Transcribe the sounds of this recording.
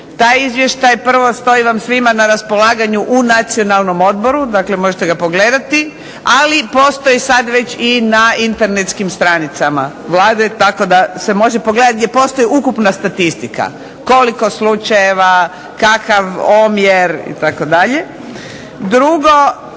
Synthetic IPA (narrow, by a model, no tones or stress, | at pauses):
t̪aːjizʋje̞ʃt̪ajpr̩ʋo̞st̪o̞iʋamsʋimanaɾaspo̞laːɡaɲuʔunat̪sio̞nalˠno̞mo̞d̪̚bo̞ɾud̪akle̞mo̞ʒet̪e̞ɡapo̞ɡle̞ːd̪at̪i | alipo̞ːst̪o̞jisad̪ʋe̞t͡ɕinaint̪e̞ɾne̞t̪skimst̪ɾanit̪sama̰ | ʋlˠaːd̪uet̪ako̞d̪ase̞mo̞ʒe̞po̞ɡle̞d̪at̪̚ɡd̪ʲjʲepo̞st̪o̞jiukupnast̪at̪ist̪ika̰ | ko̞liko̞slut͡ʃajeʋa | kakaʋomjeɾḭt̪ako̞d̪aʎe̞ | d̪ɾuɡo̞